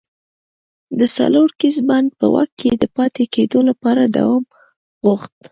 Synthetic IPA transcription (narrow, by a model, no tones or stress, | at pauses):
d̪əsa̰loɾkisband̪̚pə̰wa̰kːed̪əpɑt̪eked̪olapɑɾad̪a̰wɑm | ɣoxt̪